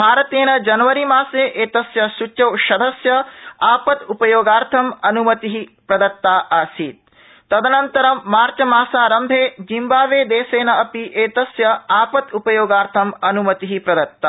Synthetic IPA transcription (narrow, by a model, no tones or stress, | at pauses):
bʱaːɾɐt̪eːnɐd͡ʒɐnɐʋɐɾimaːseːʔeːt̪ɐsjɐsut͡ʃːɐwʃɐd̪ʱɐsjɐaːpɐt̪upɐjoːɡaːɾt̪ʰɐmɐnumɐt̪iɦipɾɐd̪ɐt̪ːaːʔaːsiːt̪̚ | t̪ːɐd̪ɐnɐnt̪ɐɾɐːaːɾt͡ʃɐmaːsaːɾɐmd̪ʱeːd͡ʒimbaːʋeːd̪eːseːnɐɐpiʔeːt̪ɐsjɐaːpɐt̪upɐjoːɡaːɾt̪ʰɐmɐnumɐt̪iɦipɾɐd̪ɐt̪ːaː